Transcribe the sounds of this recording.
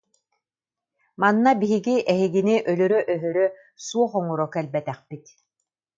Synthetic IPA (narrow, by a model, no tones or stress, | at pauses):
manːabiɦiɡiʔɛɦiɡiniʔœlœɾœʔœɦœɾœ | suɔχɔŋɔɾɔkɛlbɛt̪ɛχpit̪